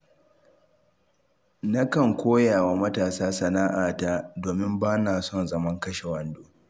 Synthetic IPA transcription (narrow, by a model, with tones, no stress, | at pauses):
na˦kɐ˨ŋkʷoː˦jaː˨waː˨mɐ˦taː˨saː˦sɐ˨naː˦ʔaː˨taː˦doː˨mɪ˦mbaː˦naː˨sɔ˦˨nzɐ˨mɐ˦ŋkɐ˦ʃe˨wɐ˨ndoː˦